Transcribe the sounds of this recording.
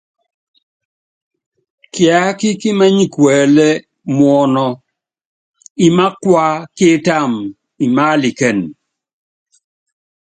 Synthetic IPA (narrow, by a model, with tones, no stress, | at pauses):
kja˨˦kɪ˦kɪ˦ma˦ɲi˦˨kwɛ˨lɛ˦ | mwɔ˨nɔ˨ | i˨ma˦kwa˦kɪ˦ta˦˨m | i˨ma˦li˨kɛ˨n